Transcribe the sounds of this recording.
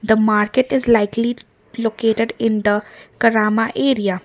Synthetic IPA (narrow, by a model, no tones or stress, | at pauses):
d̪əmaːɾkeʈɪzlaɪkli | loːkeːʈeɖɪ̃nd̪əkɐɾaːmaʔeːɾija